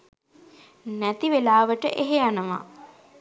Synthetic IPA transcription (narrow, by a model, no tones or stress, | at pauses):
næt̪iʋelaːʋəʈəʔeɦejanəʋa̰